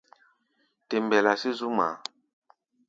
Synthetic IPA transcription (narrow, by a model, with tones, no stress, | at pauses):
te˨mbɛ˨la˨si˦zu˦ma̰˨˦